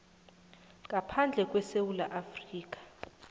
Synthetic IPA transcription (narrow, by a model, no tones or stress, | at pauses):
ŋk̬ʼapʰand͡ɮʱɛk̬ʼwɛsewulaʔafriːk̬ʼḁ